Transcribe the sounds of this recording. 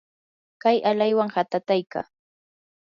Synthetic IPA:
kajalajwaŋhat̪at̪ajka̰ː

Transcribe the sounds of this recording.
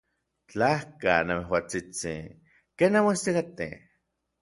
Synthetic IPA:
t͡ɬahka̰nameɦwat͡sit͡sḭ | keːnamoist̪ikat̪ḛ

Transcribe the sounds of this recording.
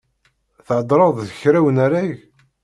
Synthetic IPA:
θʕəd̪ˤɾˤɑðˤðəçɾæwənaɾaʝ

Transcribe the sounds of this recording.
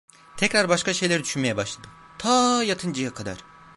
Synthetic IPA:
t̪ʰɛcɾaɾbaʃkaʃejlʲæɾid̪yʃynme̞jɛbaʃlˠad̪ɯ | t̪ʰajat̪ʰɯnd͡ʒɯjakʰad̪a̰ɾ̥

